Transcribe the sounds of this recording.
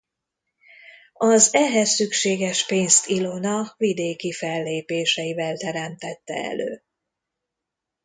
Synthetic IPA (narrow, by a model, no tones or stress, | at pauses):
ɒzɛɦɛsːykʃeːɡɛʃpeːnst̪ilo̞nɒvid̪eːkifɛlːeːpeːʃɛjivɛlt̪ɛɾɛmt̪ɛt̪ːɛ̰ɛ̰lø̰ː